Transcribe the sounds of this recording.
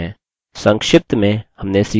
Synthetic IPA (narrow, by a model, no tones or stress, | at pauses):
ɛ | sə̃ŋkʃɪp̚t̪mẽhɐmnesiː